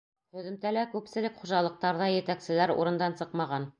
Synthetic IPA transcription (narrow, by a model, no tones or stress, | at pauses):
hɵ̆ðɘ̆mt̪ælækʉpsɘ̆lɘkχuʒɑlˠɤ̆q̚t̪ɑɾðɑjɘ̆t̪æksɘ̆læɾṵɾɤ̆nd̪ɑnsɤqmɑʁɑn